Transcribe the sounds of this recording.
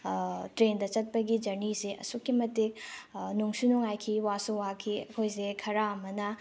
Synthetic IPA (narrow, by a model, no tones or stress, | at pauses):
tɾendɐt͡ʃɐt̚pɐɡid͡ʒɐɾniseʔɐ̰sukːimɐtik̚nuŋsunuŋajkʰiwasuwakʰiɐkʰojsekʰɐɾamɐnɐ